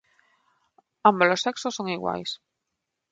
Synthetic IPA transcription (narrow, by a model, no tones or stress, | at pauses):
amboloseksosoŋiɣwa̰js